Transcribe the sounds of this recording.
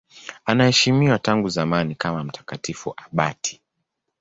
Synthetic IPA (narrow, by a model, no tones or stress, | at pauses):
anahɛʃimiwataŋɡuzamanikamam̩tʰḁkatifṵʔaɓa̰tʰi̥